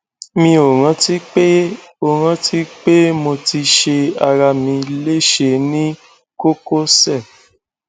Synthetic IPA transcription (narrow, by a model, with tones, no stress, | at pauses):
mĩ˧o˨ɾ̃ã˧ti˦k͡pe˦o˦˨ɾ̃ã˧tʰi˦k͡pe˦mo˧ti˧ʃe˧a˧ɾa˧mĩ˧le˦˨ʃe˧nĩ˦ | ko˦ko˦sɛ˦˨